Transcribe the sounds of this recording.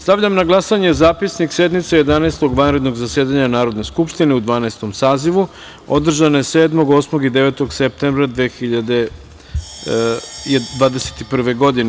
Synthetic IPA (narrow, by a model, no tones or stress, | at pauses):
st̪aʋʎamnaɡlˠasaɲe̞zaːpisnikse̞d̪nit̪seje̞d̪anaːst̪o̞ɡʋanɾe̞d̪no̞ɡzasjeːd̪aɲanaːɾo̞d̪ne̞skupʃt̪ine̞ud̪ʋaːnaest̪o̞msaːziʋu | o̞̰d̪r̩ʒanojeseːd̪mo̞ɡo̞ːsmoɡid̪e̞ʋeːt̪o̞ɡsep̚t̪embɾad̪ʋeːxiʎad̪e | d̪ʋaːd̪ese̥t̪ipr̩ʋe̞ɡo̞d̪ine